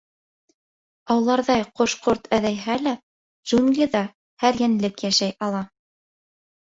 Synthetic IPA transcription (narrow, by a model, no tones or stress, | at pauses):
ɑw̆lˠɑɾðɑjqŏʃqoɾt̪æðæjɦælæ | ʒ̥unɡlʲiðɑ | hæɾjænlɘkjæʃæjɑlˠɑ